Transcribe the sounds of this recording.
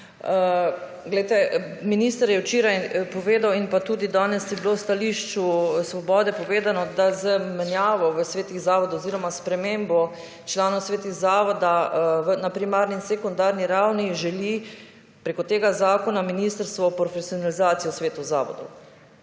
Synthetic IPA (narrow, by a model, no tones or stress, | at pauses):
ɡlɛjt̪ɛminiːst̪əɾjɛwt͡ʃeːɾajpɔʋeːd̪awinpat̪uːd̪id̪anɛst̪jɛbilowst̪aliʃt͡ʃusʋɔbɔːd̪ɛpɔʋeːd̪anɔd̪azəmɛnjaːʋɔʋəsʋeːt̪iɣzaːʋɔd̪ɔoziːɾɔmaspɾɛmeːmbɔ | t͡ʃlaːnɔwsʋeːt̪iɣzaːʋɔd̪aʋənapɾimaːɾninsekɔnd̪aːɾniɾawniʒɛli | pɾeːkɔt̪eːɡazaːkɔnaminiːst̪əɾst̪ʋɔpɾɔfɛsiɔnalizaːt̪ijɔsʋeːt̪uza̰ːʋɔ̰d̪ɔ̰w